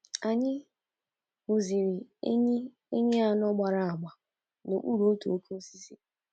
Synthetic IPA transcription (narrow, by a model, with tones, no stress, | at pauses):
a˨ɲɪ˦ | u˨zi˨ɾi˨e˦ɲ˦ | e˦ɲe˦a˦nɔ˦ɡ͡ba˨ɾa˦a˨ɡ͡ba˨ | no̰˨ʔu˦ɾo˦o˦tu˨o˦kʰo˦si˦si˦